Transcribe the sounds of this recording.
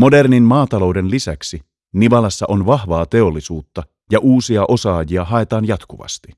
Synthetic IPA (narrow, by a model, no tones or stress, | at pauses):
mo̞de̞rninmɑːt̪ɑlo̞wde̞nlisæ̰ksi | niʋɑlɑsːɑʔo̞nʋɑhʋɑːt̪e̞olːisuːt̪ːɑ | jɑʔuːsiɑʔo̞sɑːjiɑɦɑe̞t̪ɑːnjɑt̪kuʋɑ̰st̪i